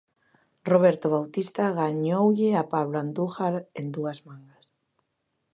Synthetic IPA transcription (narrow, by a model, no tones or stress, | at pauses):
roβ̞eɾt̪oβawt̪ist̪aɣaɲowʎɪapaβland̪uɣaɾend̪uazmaŋɡas